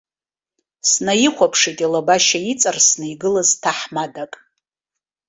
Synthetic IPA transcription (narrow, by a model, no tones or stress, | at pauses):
snajiχʷapʰʂitʼilabaʃajit͡sʼarsnɨjɡɨlaztʰaħmadakʼ